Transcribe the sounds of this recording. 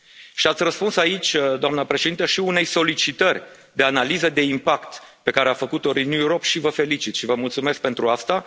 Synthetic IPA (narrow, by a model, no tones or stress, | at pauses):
ʃiat̪sʲrəspunsait͡ʃʲd̪oamnəpɾeʃed̪int̪əʃiune̞jso̞lit͡ʃit̪ərʲ | d̪e̞analizəd̪e̞impakt̪pe̞kaɾeafəkut̪o̞ɾinːuuɾopʃivəfe̞lit͡ʃit̪ʃivəmult̪sume̞sk̚pe̞nt̪ɾuast̪a